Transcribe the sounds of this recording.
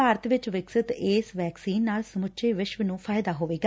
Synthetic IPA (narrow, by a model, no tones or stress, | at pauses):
aːɾət̪ʋɪt͡ʃʋɪksɪt̪ɪːsʋɛːksiːnːaːlsəmʊʃʰeːʋɪʃʋənũːpʰaːjd̪aːɦoːʋeːɡaː